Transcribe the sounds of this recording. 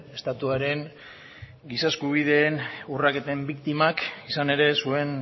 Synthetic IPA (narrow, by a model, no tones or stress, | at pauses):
est̪at̪uaɾe̞ŋ | ɡisaeskuβ̞ið̞e̞ːnurake̞t̪e̞mbikt̪imakisane̞ɾe̞sue̞n